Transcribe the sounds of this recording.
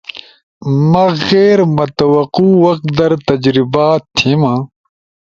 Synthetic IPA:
mɐɣeːɾmɐt̪ɐwɐquːwɐq̪̚d̪ɐɾt̪ɐd͡ʑɾibaːt̪ʰːimã

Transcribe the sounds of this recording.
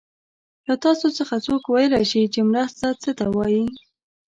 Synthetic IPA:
lat̪ɑsot͡səxat͡sokwajəlaʃit͡ʃemɾəst̪at͡sət̪awɑji

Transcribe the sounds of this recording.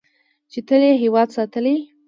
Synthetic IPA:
t͡ʃet̪əleɦewɑd̪sɑt̪əli

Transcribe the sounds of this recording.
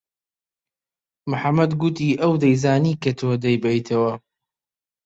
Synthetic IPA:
mʊħamːɐd̪ɡʊt̪iːʔɐwd̪ɐjzaːniːkɐt̪ʰoːd̪ɐjbɐjt̪ʰɐwɐ

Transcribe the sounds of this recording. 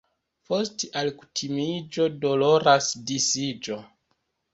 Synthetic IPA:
po̞steʔalku̥tʰimid͡ʒo̞do̞loɾasdisid͡ʒo̞

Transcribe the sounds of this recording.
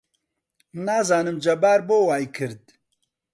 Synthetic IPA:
naːzaːnɨmd͡ʒɐbaːɾboːwaːjkʰɨɾd̪̚

